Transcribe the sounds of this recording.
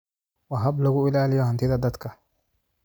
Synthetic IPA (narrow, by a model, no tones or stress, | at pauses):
wɐɦɐblɐɣʊɪlaːlɪjɔhɐnt̪ʰɪðɐd̪ɐd̪kʰɐ